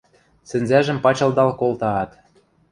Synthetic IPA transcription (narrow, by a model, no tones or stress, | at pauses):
sɘ̆nzæʒə̆mpɑt͡ɕɤ̆ld̪ɑlkolt̪ɑːt̪